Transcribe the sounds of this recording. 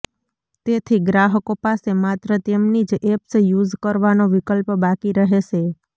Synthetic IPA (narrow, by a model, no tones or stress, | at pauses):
t̪et̪ʰiɡɾaɦəkopasemat̪ɾət̪emnid͡ʒepsjud͡ʒkəɾʋanoʋɪkəlpbakiɾəɦeʃʰe